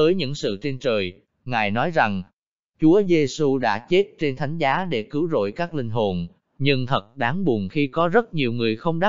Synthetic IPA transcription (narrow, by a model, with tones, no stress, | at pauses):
əː˨˦jɲɨ̰˧˥ŋsɨ̰˧˨t͡ɕe˧nt͡ɕəː˨˩j | ŋaː˨˩jnɔ˨˦jza˨˩ŋ | t͡ɕu˨˦əze˧su˧ɗa̰ː˧˥t͡ɕe˦˥t̚t͡ɕe˧nt̪ʰa˨˦jŋ̟zaː˨˦ɗe˧˩kɨ˨˦wzo̰˧˨jkaː˦˥k̚lï˧ŋ̟ɦo˨˩n | ɲɨ˧ŋt̪ʰə˨˩t̚ɗaː˨˦ŋɓu˨˩nxi˧kɔ˨˦zə˦˥t̚ɲi˨˩əwŋɨ˨˩əjxə˧wŋ͡mɗa˦˥